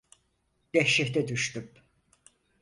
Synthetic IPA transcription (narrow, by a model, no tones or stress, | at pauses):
d̪̥ɛhʃɛht̪ɛd̪yʃt̪yp